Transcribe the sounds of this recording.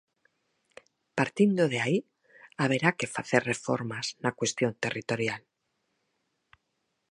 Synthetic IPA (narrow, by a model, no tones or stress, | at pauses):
paɾt̪ind̪oðeai | aβ̞e̞ɾake̞faθerrefo̰ɾmaznakwe̞st̪jont̪erit̪o̞ɾjal